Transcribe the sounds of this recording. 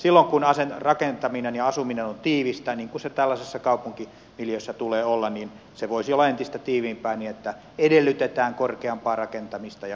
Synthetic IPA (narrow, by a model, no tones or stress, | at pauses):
silːoŋkunɑsenrɑkent̪ɑminenjɑɑsuminenont̪iːʋist̪æniːŋkunset̪ælːæsesːɑkɑupuŋki | miljøsːæt̪uleːolːɑnniːn | seʋoisiolːɑent̪ist̪æt̪iːʋiːmpæinninet̪ːæ | edelːyt̪et̪æːŋkorkeɑmpɑːrɑkent̪ɑmist̪ɑjɑ